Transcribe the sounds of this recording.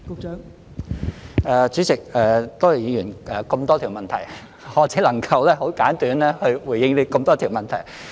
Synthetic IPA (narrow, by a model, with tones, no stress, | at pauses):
kʊ˨˧k̚t͡ʃːŋ | ɛː˨t͡syː˨˥t͡sɪ˨k̚ɛː˨t̪o˥wɐ˨˩jiː˨˧jyː˨˩nʔɛː˨kə˧mt̪ɔː˥t̪ʰi˨˩wmɐ˨nt̪ʰɐ̰˨˩j | hɔː˨˧t͡siː˨˥lɐ˨˩ŋkʰɐ˧wlɛː˥ho˨˥wkaː˨˥nt̪yː˨˥nlɛː˥hɵ˧ɥwuː˨˩jɪ˧ŋle˨˧kə˧mt̪ɔː˥t̪ʰiː˨˩wmɐ˨nt̪ʰɐ˨˩j